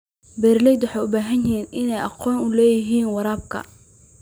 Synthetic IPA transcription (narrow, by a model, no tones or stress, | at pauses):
bɛːrlɛjd̪wʊħɑjʊbaːɦɐnɛːnʔɪnɛjʔɑqɔːnʊlɛːjɪɦiːnwɑɾaːb̚kʰɐ̰